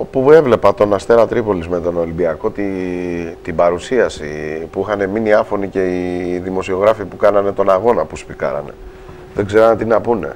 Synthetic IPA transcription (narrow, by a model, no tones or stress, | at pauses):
opue̞vle̞pɐt̪o̞nɐst̪e̞ɾɐt̪ɾipo̞lizme̞t̪o̞no̞limbiɐko̞t̪i | t̪ibɐɾusiɐsipuixɐne̞miniɐfo̞nice̞iðimo̞sio̞ɣɾɐfipukɐnɐne̞t̪o̞nɐɣo̞nɐpuspikɐ̰ɾɐ̰ne̞̰ | ðeɡze̞ɾɐnt̪inɐpune̞̰